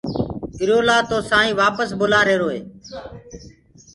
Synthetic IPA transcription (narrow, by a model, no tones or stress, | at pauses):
kɪɾjoːlaːt̪oːsaːĩːʋaːpəsbʊlaːɾeːɾoːɦeː